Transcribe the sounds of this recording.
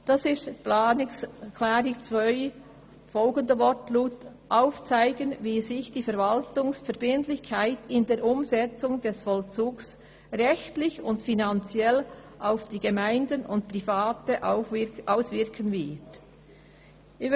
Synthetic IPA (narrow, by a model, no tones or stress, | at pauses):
d̥ɑsɪstpːnɪkʰlaːɾɪt͡svœʏ | fɔlɡəndəvɔtluːtʔaʊft͡saɪɡənviːzɪçd̥iːfɛɾvɑltʊŋsfɛɾbɪntlɪçkʰaɪtɪndeːɾʔʊmzɛt͡sʊŋdɛsfɔlt͡suːks | ʁɛçtlɪçʊntfinant͡sjɛl | ʔaʊfd̥iːɡemaɪndənʊntpʁifaːtəʔʔaʊsvɪɾkʰənvɪt